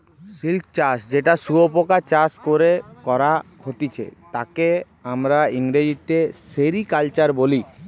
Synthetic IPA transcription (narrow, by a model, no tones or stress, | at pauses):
silkt͡ɕasd͡ʑeʈasuopokat͡ɕaskoɾekɔɾakʰot̪it͡ɕʰḛt̪ake | amɾaiŋɾed͡ʑit̪eseɾikalt͡ɕaɾboli